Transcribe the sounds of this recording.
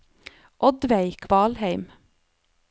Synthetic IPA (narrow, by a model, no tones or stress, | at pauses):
ʔɔd̪ʋæɪkʰʋɑːlhæɪm